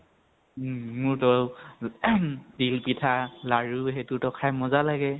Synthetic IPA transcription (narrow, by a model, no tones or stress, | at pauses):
mʊɹtɔ | dilpitʰalaɹuɦɛtutɔkʰajmɔzalaɡɛ